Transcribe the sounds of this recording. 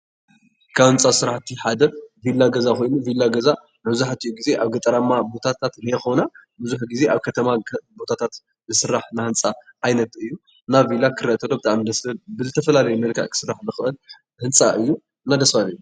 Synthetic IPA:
kʰawɨnt͡sʼasɨɾaħt̪ʰiħad̪ɐvilːaɡɐzako̞jnuvilːaɡɐza | mbzaħat̪ʰijuɡize̞ʔaβɡɐt̪ʼɐɾamabo̞t̪ʰat̪ʰat̪hjexonabɨzuħɡize̞ʔaβkʰɐt̪ʰɐmabo̞t̪ʰat̪ʰat̪ | zɨsɨɾːaħnahɨnt͡sʼaʔːjnɐt̪ɨjːu | navilakʰɨɾɐʔt̪ʰɐlo̞bɨt̪ʰa̰ʕmid̪ɐsɐbɨzɨt̪ʰɐfɐlalɐjumɐlkʰɐ̰ʕkʰɨ̥sɨɾaħbɨxɨʔɨl | hɨnt͡sʼaʔɨjːu | ɨnːad̪ɐsfalɨjːu

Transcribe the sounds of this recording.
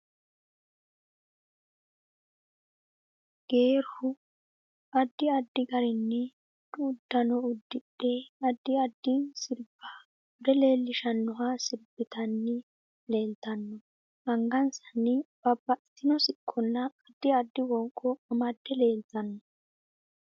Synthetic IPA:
ɡ̥eːɾhʊ | ɐd̪ːɪɐd̪ːɪɡɐɾɪnːɛ | d̪ʊʊd̪ːɐnɔʊd̪ːɪɗɛɐd̪ːɪɐd̪ːɪsɪɾb̥ɐ | ʊd̪ɛle̞ːlːɪʃɐnːɔɦasɪɾbɪt̪ɐnːɛ | le̞ːlt̪ɐnːɔ | ɐŋɡɐnsɐnːɪb̥ɐbːɐt̪ːɪnɔsɪkʰːɔnːɐːd̪ːɪɐd̪ːɪwɔŋkʼːɔɐmɐd̪ːɛle̞ːlt̪ɐnːɔ

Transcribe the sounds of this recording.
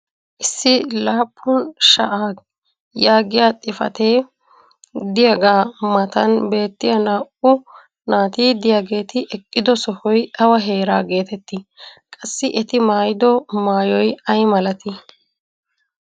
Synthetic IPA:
ʔɪsːɪlaːpʰʼːʊnʃɐ̰ʔaːɡ | jaːɡɪjaːt̪ʼɪfɐ̰t̪eː | d̪ɪjaɡaːmɐt̪ɐnbe̞ːt̪ːɪjɐnaːʔʊ | naːt̪iːd̪ɪjaːɡe̞ːt̪ɪʔɛkʼːɪd̪ɔsɔhɔjʔɐwɐɦe̞ːɾaːɡe̞ːt̪ɛt̪ːɪkʼɐsːɪʔɛt̪ɪmaːjɪd̪ɔmaːjɔjɐjmɐlɐt̪ɪ

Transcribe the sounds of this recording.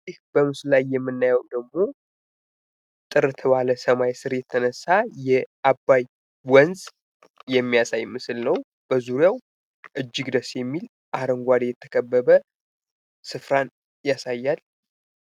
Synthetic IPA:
zihb̥əmɨslajːɛmːɨnːajəwd̪əɡmo̞ | t̪ʼɨɾɨt̪ʰɨβaləsəmajsɨɾjɛt̪ʰːənəsːajɛʔabːaj | wɔnzʼ | jɛmːijasajmɨsɨlnəw | b̥əzuɾjaw | ʔɨd͡ʒːɪɡd̪əsjɛmːil | ʔaɾəŋɡʷad̪ejɛt̪ʰːə̥kʰʼəbːəbə | sɨfɾan | jasajːal

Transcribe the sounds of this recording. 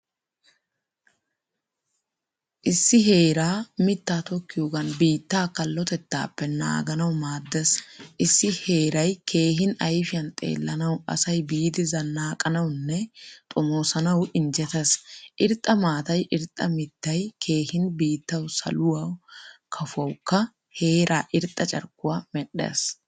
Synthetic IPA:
ʔɪsːɪɦe̞ːɾaːmɪt̪ːaːt̪ɔkːɪjoːɡɐnbiːt̪ːaːkɐlːɔt̪ɛt̪ːa̰ːpːɛna̰ːɡɐnɐwmaːd̪ːɛsʔɪsːɪhe̞ːɾɐjkʰe̞ːɦɪnɐjfɪjɐnt̪ʼḛːlːɐnɐwɐ̰sɐjbiːd̪ɪzɐnːaːkʼːɐnɐwnːɛt̪ʼɔmoːsɐnɐwʔɪnd͡ʒɛt̪ɛsʔɪɾt̪ʼːɐmaːt̪ɐjʔɪɾt̪ʼːɐmɪt̪ːɐjkʰe̞ːhɪnbiːt̪ːɐwsɐ̰lʊwɐwkʰɐfʊɐwkːɐ | he̞ːɾʔaːʔɪɾt̪ʼːɐt͡ʃʼɐ̰ɾkːʊwaːmɛɗḛs

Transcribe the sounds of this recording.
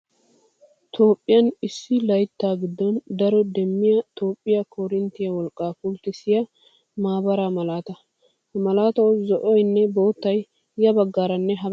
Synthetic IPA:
t̪ʰo̞ːpʼːɪjɐnɪsːɪlɐjt̪ːaːɡɪd̪ːɔnd̪ɐɾɔd̪ɛmːɪjɐt̪ʰo̞ːpʼːɪjɐkʰɔɾɪnt̪ːɪjɐwɔlkʼːaːkʊlt̪ɪsɪjɐ | maːbɐɾamɐlaːt̪ɐ | hmɐlaːt̪ɐwzɔʔɔjnːɛbo̞ːt̪ːɐjː | ɐbɐɡːaːɾɐnːɛɦɐ

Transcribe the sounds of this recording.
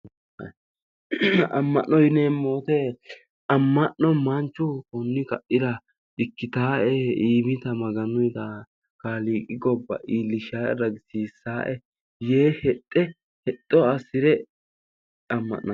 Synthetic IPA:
ɐ̰mːɐ̰ʔːɔjɪneːmoːt̪e | ɐmːɐʔːɔmɐnt͡ʃːʊkɔnːɪkɐʔɪd̪ɐ | ɪkːɪt̪aːʔɛiːmɪt̪ɐmɐɡɐnʊjt̪ɐ | kaːliːkʼɪɡɔbːɐ̰ʔiːlːɪʃaːʔɛɾɐɡɪsiːsaːʔɛ | jeːhɛt̪ʼːɛ | hɛt̪ʼːɔɐsɪɾɛ | ɐmːɐ̰ʔːɐ

